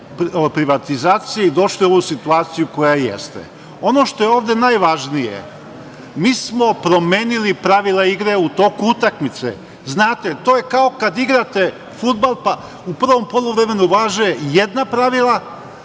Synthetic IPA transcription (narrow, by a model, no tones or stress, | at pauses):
popɾiʋat̪izaːt̪sijeid̪o̞ʃlio̞ʋusit̪uaːt̪sijuko̞jajḛst̪ḛ | o̞no̞ʃt̪o̞jeoːʋd̪e̞najʋaʒnijḛ | miːsmo̞pɾo̞mjeːnilipɾaʋilˠaiɡɾe̞ut̪o̞ːkuut̪akmit̪sḛ | znaːt̪et̪o̞ːjekao̞kad̪iɡɾat̪e̞ | fud̪balˠpa | upr̩ʋo̞mpolˠuʋɾe̞me̞nuʋaːʒejejed̪napɾaʋilˠa